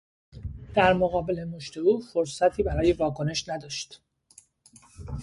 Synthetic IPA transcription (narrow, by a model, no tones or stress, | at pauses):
d̪̥æɾmoɣɒːbe̞le̞moʃt̪e̞uːfoɾsæt̪ʰiːbæɾɒːje̞vɒːkʰo̞ne̞ʃnæd̪ɒːʃt̪